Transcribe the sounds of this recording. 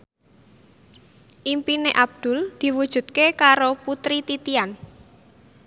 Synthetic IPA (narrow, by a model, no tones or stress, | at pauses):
ʔimpineʔab̚d̪̥ʊ̤ld̪̥i̤wud̥ʒ̥ṳt̪̚kekaɾoput̪ɾit̪it̪ian